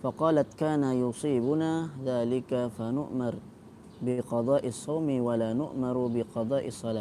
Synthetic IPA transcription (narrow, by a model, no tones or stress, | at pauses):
fɑqɑːlat̪kaːnajʊsˤiːbʊnaːðaːlɪkafanʊ̰ʔmɑɾˤ | bɪqɑd̪ˤɑːʔɑsˤːɑwmwalaːnʊʔmɑɾˤbɪqɑd̪ˤɑːʔɪsˤːɑlaː